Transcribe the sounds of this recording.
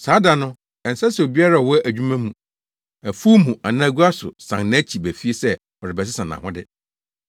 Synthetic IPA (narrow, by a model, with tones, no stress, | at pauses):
saː˨˦da˨nʊ̃˦ | ɛ˨n̩˨sa˦sɛ˨o˨bi˦a˦ɾa˨ɔ˨wɔ˦ʔæ˨d͡ʑᶣu˦mã˦mũ˨ | æ˨fu˦mũ˨ʔa˨nã˦ɡu˦a˦sʊ̰˨sã̰˨ŋnã˦t͡ɕʰi˨bæ˨fi˦e˦sɛ˦ | ɔ˨ɾɪ˨bɛ˨s̬ɪ˦sã˨nã̰˨hʊ̃˦dɪ˦